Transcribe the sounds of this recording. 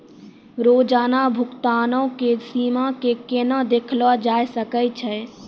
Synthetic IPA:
ɾoːd͡ʒaːnabʱʊkt̪aːnə̃kesiːmakekenad̪eːkʰlʋad͡ʒaːjsəkəjt͡ʃʰɛ

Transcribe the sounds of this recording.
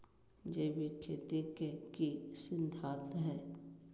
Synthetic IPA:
d͡ʒeːwikʰeːt̪ikekisɪnd̪ʱaːt̪ɦɛː

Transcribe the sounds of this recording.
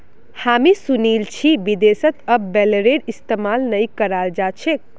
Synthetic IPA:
hamisunilt͡ʃʰibid̪esət̪əbbɛləɾeɖist̪emalnəjkəɾald͡ʒat͡ʃʰek̚

